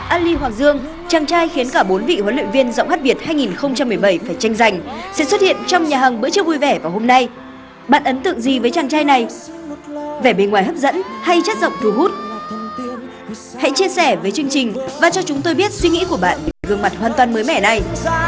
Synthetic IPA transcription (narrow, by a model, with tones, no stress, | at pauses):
ʔaː˧li˧ɦwaː˨˩ŋzɨ˧əŋ | t͡ɕaː˨˩ŋt͡ɕaː˧jxi˨˦ənkaː˧˩ɓo˨˦nvḭ˧˨hwə˨˦nlwḭ˧˨nvi˧ənzə̰˧˨wŋ͡mxaː˦˥ɓi˨˩ət̚haː˧jŋi˨˩nxə˧wŋ͡mt͡ɕa˧mːɨ˨˩əjɓə˧˩jfaː˧˩jt͡ɕa˧jŋ̟za˨˩jŋ̟sɛ̰˧˥swə˦˥t̚hḭ˧˨ənt͡ɕɔ˧wŋ͡mɲaː˨˩ɦə˨˩ŋɓɨ̰˧˥t͡ɕɨ˦˥vu˧jvɛ˧˩vaː˨˩ho˧mna˧j | ɓa̰ː˧˨nʔə˨˦nt̪ɨ̰˧˨ə˨ŋzi˨˩vəː˨˦jt͡ɕaː˨˩ŋt͡ɕaː˧jna˨˩j | vɛ˧˩ɓe˧nŋwaː˨˩jɦə˦˥p̚zə̰˧˥nha˧jt͡ɕa˦˥t̚zə̰˧˨ŋ͡mt̪u˨˩ɦu˦˥t̚ | ha̰˧˥jt͡ɕi˧əsɛ˧˩vəː˨˦jt͡ɕɨ˧əŋt͡ɕï˨˩ŋ̟vaː˨˩t͡ɕɔ˧t͡ɕʊ˨˦ŋ͡mt̪o˧jɓi˦˥ət̚swi˧ŋḭ˧˥ku˧˩əɓa̰ː˧˨nɗi˨˩a˧˩vɨ˨˧˩ŋma˨˩t̚hwaː˨nt̪waː˨nməː˨˦jmɛ˧˩na˧j